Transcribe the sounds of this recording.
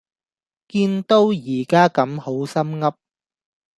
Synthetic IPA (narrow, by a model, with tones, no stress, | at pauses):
kiː˧nt̪o˥wjiː˨˩kaː˥kɐ˨˥mho˨˥wsɐ˥mŋɐ˥p̚